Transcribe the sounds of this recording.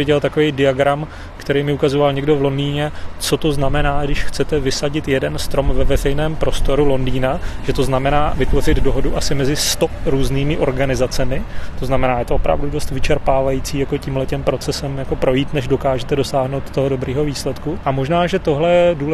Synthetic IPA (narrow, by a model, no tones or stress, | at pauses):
ɪɟɛlt̪akovejdɪaɡɾam | kt̪ɛɾejmɪukazovalɲɛɡdo̞vlo̞ndiːɲɛt͡so̞t̪o̞znamɛnaːɡdɪʃxt͡sɛt̪ɛvɪsaɟɪt̪jɛdɛnst̪ɾo̞mvɛvɛrɛjnɛːmpɾo̞st̪o̞ɾulo̞ndiːnaʒ̥ɛt̪o̞znamɛnaːvɪt̪vo̞r̝ɪd̪do̞ɦo̞duʔasɪmɛzɪst̪o̞ɾuːzniːmɪʔo̞ɾɡanɪzat͡sɛmɪt̪oznamɛnaːjɛt̪oopɾa̰vdudo̞st̪vɪt͡ʃɛɾpaːvajiːt͡siːjako̞ciːmɦlɛcɛmpɾo̞t͡sɛsɛmjako̞pɾo̞jiːt̪nɛʒdo̞kaːʒɛt̪ɛdo̞saːɦno̞wt̪ːo̞ɦodo̞bɾiːɦo̞viːslɛt̪kuʔamo̞ʒnaːʒɛt̪o̞ɦlɛjɛduːlɛ